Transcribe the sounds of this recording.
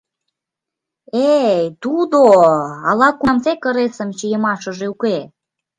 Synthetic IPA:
ejt̪ud̪oɑlɑkumsekə̆ɾesə̆mt͡ɕijəmɑʃə̆ʒeuke

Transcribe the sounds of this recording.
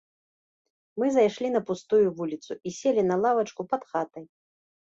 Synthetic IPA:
mɨzajʂlʲinɐpust̪ujuvulʲit̪suisʲelʲinɐlˠavɐt͡ʂkupɐt̪xat̪ɐj

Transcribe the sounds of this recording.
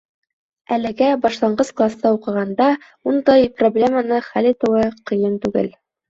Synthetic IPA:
ælɘ̆ɡæbɑʃlˠɑɴɢɤsklˠast̪ɑuqɤ̆ʁɑnd̪ɑ | und̪ɑjproblʲemənɤχælijt̪ɤ̆wɤqɤ̆jɤnt̪ʉɡɘ̰l

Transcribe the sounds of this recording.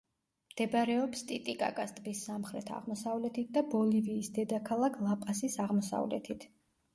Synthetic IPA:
md̪̥ɛbɾɛɔpst̪ʼit̪ʼikʼa̰kʼast̪ʼbisːamχɾɛt̪ʰa̰ʁmɔsavlɛt̪ʰit̪̚d̪abɔliviːsd̪ɛd̪akʰalˠakʰlˠapʼasisaʁmɔsa̰vlɛ̰t̪ʰit̪ʰ

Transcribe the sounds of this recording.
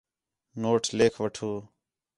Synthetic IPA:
noːʈʰleːkʰʋəʈʰuː

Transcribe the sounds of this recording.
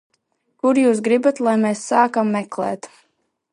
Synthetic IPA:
kuɾjuːs̬ɡɾibat̪lˠajmeːsːaːkamːɛklɛ̰ːt̪

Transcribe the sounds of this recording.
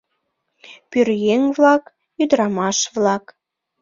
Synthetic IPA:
pyrjeŋvlɑk | jyd̪əɾɑmɑʃβlɑk

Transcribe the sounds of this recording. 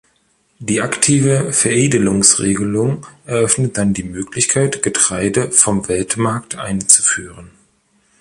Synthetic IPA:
d̥iːʔaktʰiːvəfɛɐʔeːdəlʊŋsʁeːɡəlʊŋʔɛɐʔœfnət̚d̥andiːmøːklɪçkʰaɪtɡ̥ətʁ̥aɪdəfɔmvɛltmaɐktʰʔa̰ɪnt͡su̥fyːʁən

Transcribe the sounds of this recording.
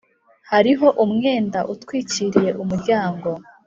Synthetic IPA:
haɾiɦo̞ʔumŋe̞ːndaʔutwiːciɾije̞ʔumuɾɟaːŋɡo̞

